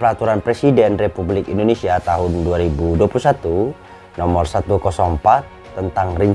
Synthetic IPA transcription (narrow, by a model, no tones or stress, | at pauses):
pəɾat̪uɾanpɾesidɛnrepublɪkindonesiat̪aɦʊnduaɾibuduapulusat̪u | nɔmɔrsat̪ukɔsɔŋmpat̪ːənt̪aŋriɲ